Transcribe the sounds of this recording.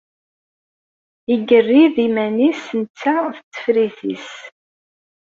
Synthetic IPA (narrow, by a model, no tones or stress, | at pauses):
iɡərːiðimænisənt͡sːaθət͡sːə̥fɾiθḭs